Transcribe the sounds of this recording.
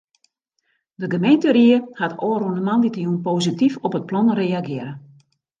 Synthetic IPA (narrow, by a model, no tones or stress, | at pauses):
dəɡəmejntəriəhatʰɔːɾunəmanditəjunpositifɔpət̚plɔnrejaɡɪəɾə